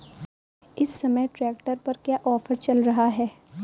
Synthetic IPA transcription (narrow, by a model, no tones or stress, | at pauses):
ɪsːɐməjʈɾɛːkʈəɾpɐɾkjaːʔɔːfəɾt͡ʃɐlɾɐɦaɦɛː